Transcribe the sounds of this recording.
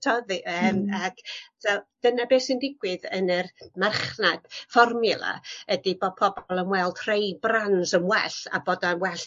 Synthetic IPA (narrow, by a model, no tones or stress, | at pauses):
tʰɔðiʔəːmakʰvɛld̥ənabeːsɪndɪɡwɪðənərmarχnad̥fɔrmɪlˠa̰ədibɔpʰɔbɔlˠəmwɛlˠd̥ʰr̥ejbranzəmwɛɬa̰boːdanwɛɬ